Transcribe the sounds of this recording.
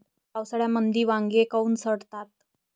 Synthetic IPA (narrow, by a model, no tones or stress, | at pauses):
awsəɽjamənd̪ʱiːʋaŋɡekəuːnsəɽt̪at̪̚